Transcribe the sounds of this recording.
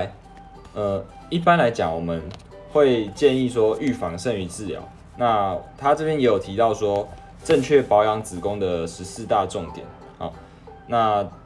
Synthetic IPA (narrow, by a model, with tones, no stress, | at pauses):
ə˧ | i˥˩pa˦nla˧˥ɪt͡ɕjɑ˨˩ŋwɔ˨˩mə˨n | xwe˥˧ɪt͡ɕjɛ˥˧ni˥˨swɔ˦ʔy˥˩fɑ˧˦ŋʂə˥˧ŋy˧˦t͡sɹ̩˥˩lja̰˨˥˦ʊ | na˥˧t̪ʰa˦ʈ͡ʂɤ˥˩pjɛ˥njɛ˧˥jo˨˩ʊt̪ʰi˧˥t̪ɑ˥˩ʊswɔ˥ | ʈ͡ʂə˥˧ŋt͡ɕʰɥɛ˥˩pɑ˧˥ʊjɑ˧˦˥ŋt͡sɹ̩˨˩kʊ˦ŋd̪ə˨ʂɻ̩˧˦sɹ̩˥˧t̪a˥˧ʈ͡ʂʊ˥˨ŋt̪jɛ̰˨˩˦n | hɔ̰˨˩˦ | na˥˧